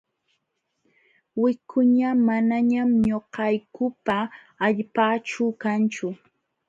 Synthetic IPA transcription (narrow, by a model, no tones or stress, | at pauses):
wɪkʰʊɲamanaɲamɲoqɑjkʊpaː | ʎpaːt͡ʃʊkant͡ʃʊ